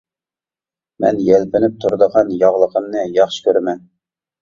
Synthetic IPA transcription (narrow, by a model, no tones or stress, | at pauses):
mɛ̰njɛlbɪnɪp̚t̪ʰuɾd̪əʁɑnjɑʁlˠəqʰəmnɨjɑχʃɨ̥kʲʰøɾmɛn